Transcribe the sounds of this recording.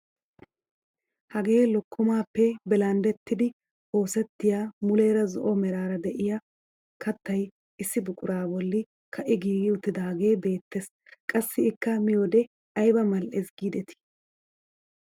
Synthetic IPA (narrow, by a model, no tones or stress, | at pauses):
hɐɡe̞ːlɔkʰːɔmaːpːɛbɛlɐnd̪ɛt̪ːɪd̪ɪ | ʔo̞ːsɛt̪ːɪjaːmʊleːɾɐzɔ̰ʔɔmɛɾaːɾɐd̪ɛʔɪja | kʰɐt̪ːɐj | ɪsːɪbʊkʼʊɾaːbɔlːɪ | kʰɐʔɪɡiːɡɪʊt̪ːɪd̪aːɡe̞ːbe̞ːt̪ːes | kʼɐsːɪɪkːɐmɪjɔd̪ɛ | ɐjbɐmɐlʔesɡiːd̪ɛt̪ɪ̥